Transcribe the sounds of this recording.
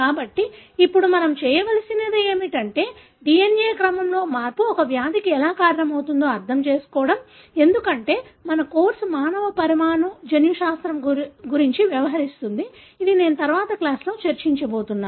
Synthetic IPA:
kaːbɐʈːiːpːuɽumɐnɐmt͡ʃɛːjɐʋɐlɐsinɐd̪eeːmiʈɐɳʈe̞ː | ɖienje̞ːkɾɐmɐmlo̞ːmaːɾpuɔkɐʋjaːd̪ʱikiɛlaːkaːɾɐɳɐmɐwt̪und̪o̞ːɐɾt̪ʰɐmt͡ʃe̞ːsu̥kɔːʋɐɽɐm | e̞nd̪ukɐɳʈe̞ːmɐnɐko̞ːɾsmaːnɐʋɐpɐɾimaːɳud͡ʒɐnjuʃaːst̪ɾɐmɡuɾiɲt͡ʃiʋjɐʋɐɦɐɾist̪und̪iː | d̪ine̞ːnut̪ɐɾʋaːt̪ɐklaːslo̞ːt͡ʃɐɾt͡ʃiɲt͡ʃɐbo̞ːt̪unːaː

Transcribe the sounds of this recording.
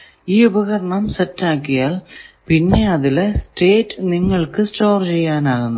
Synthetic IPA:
iːubɐɣɐɾɐɳɐmsɐtːaːkːijaːlpinːe̞ɐðɪlesʈeːʈːniŋːɐɭkɨsʈoːrt͡ɕejːaːnaːɣunː

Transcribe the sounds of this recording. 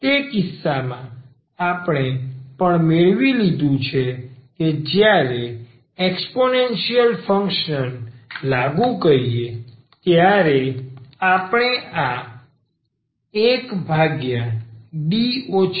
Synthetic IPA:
t̪ekɪsːamã | apɳ̃epəɳmeɭʋilid̪ʱũt͡ʃʰeked͡ʒjaɾe | eksponenʃijəlfəŋkʃənlaɡũkəɾije | t̪jaɾeapɳ̃ea | ekbʱaɡjãɖio

